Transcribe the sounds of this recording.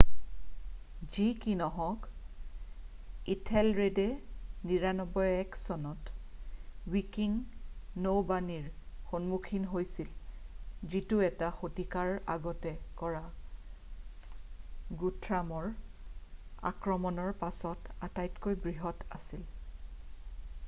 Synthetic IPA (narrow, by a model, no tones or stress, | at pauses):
zikinɔɦɔ̃k | itʰɛlɹedɛniɹanɔbɔjɛksɔnɔt | wikiŋnowbaniɹxonmukʰinɦojsil | zituɛtaxotikaɹa̰ɡɔtɛkɔɹa | ɡutʰɹamɔɹ | a̰kɹɔmɔnɔɹpasɔtatajtkojbɹiɦɔta̰sil